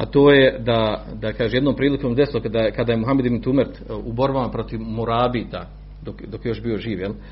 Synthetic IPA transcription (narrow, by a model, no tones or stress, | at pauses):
a̰t̪oːjed̪a | d̪akaːʒemjed̪nompɾiːlikoːmd̪eslˠokad̪akad̪aːjemuɦamed̪ibnt̪umeɾt̪ubo̞ɾbamapɾo̞t̪iʋmoɾaːbiːt̪a | d̪okd̪o̞kjejo̞ʃbiːo̞ʒiːʋjel